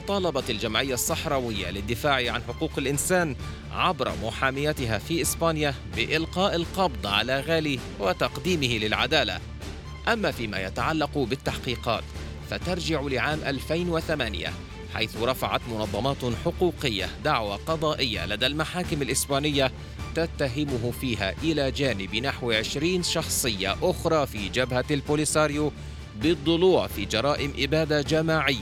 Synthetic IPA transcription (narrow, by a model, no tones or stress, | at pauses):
t̪ˤɑːlɑbɑt̪ald͡ʒamʕɪjːasˤːɑħɾˤɑːwɪjːa̰lɪd̪ːɪfaːʕʕanħʊquːqalʔɪnsaːn | ʕabɾˤɑ̰mʊħaːmɪjat̪ɪɦafiːʔɪsbaːnjabɪʔɪlqɑːʔalqɑbd̪ˤʕa̰laːɣaːli | wɪt̪ɑqd̪iːmɪhɪlɪlʕad̪aːla̰ | ʔamːafiːma̰ːjat̪aʕalːɑqbɪt̪ːaħqiːqɑ̰ːt̪ | fat̪ɑɾˤd͡ʒɪʕʊlɪʕaːmʔalfajnwɪθamaːnɪ̰ja̰ | ħa̰jθʊɾˤɑfaʕa̰t̪mʊnɑðˤːɑmɑːt̪ħʊquːqɪjːa̰d̪aʕwaqɑd̪ˤɑːʔɪjːa̰lad̪almaħaːkɪmalʔɪsbaːnɪjːa | t̪at̪ːaɦɪmʊɦʊfiːɦa̰ːʔɪlaːd͡ʒaːnɪbnaħwʕɪʃɾiːnʃɑxsˤɨjːa̰ʔʊxɾˤɑːfiːd͡ʒabhalfuːlɪsaːɾju | bɪd̪ˤːʊluːʕfiːd͡ʒɑɾˤɑːʔɪmʔɪbaːd̪ad͡ʒamaːʕɪjːa